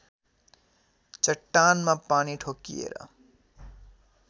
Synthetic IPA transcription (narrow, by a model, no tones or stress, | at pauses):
t͡ʃəʈːanmãpaːniʈʰokːiḛɾʌ̰